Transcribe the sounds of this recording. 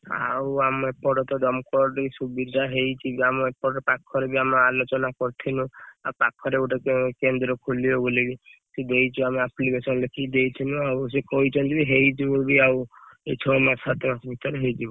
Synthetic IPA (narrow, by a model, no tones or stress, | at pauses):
a̰wamɔepɔɽɔt̪ɔd̪ɔmkɔɖisubid̪ʱaɦejt͡ʃʰibiamɔepɔɽɔpakʰɔɾebiamɔalot͡ʃɔnakɔɾt̪ʰinũapakʰːɔɾeuʈɔkekend̪ɾɔkʰolibobolibised̪ejt͡ʃʰuameaplikesɔnlekʰid̪ejt͡ʃʰinũaws̬ekɔit͡ʃʰɔnt̪ibiɦejd͡ʒibobiawet͡ʃʰɔmãsat̪ɔmasɔbʱit̪ɔɾeɦejd͡ʒibɔ